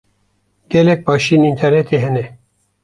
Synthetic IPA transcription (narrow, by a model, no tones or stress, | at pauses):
ɡ̥elek̚pʰɑːʃiːnint̪ʰeɾnet̪ʰiɦɛne